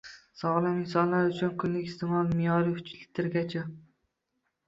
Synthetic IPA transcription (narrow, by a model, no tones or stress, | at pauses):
sɒʁlˠamɪnsɒnlaɾʊt͡ʃʰʊnkʲʰʊnlɪkʲɪst̪ʰɪmɒlˠmɪjɒɾɪhʊ̥t͡ʃlɪt̪ʰɪɾɡʲat͡ʃʰa